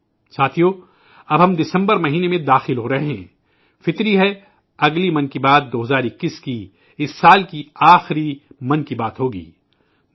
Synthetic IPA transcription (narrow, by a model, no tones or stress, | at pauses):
saːt̪ʰijoː | ɐbɦɐ̃md̪ɪsə̃mbəɾmɐɦiːnemẽd̪aːxɪlɦoːɾɐɦeɦɛ̃ː | fɪt̪ɾiɦɛ | ɐɡlimɐ̃nkibaːd̪̚ːoːɦɐzaːɾɪkːiski | ɪsːaːlkiaːxɾimɐnkibaːt̪ɦoːɡḭː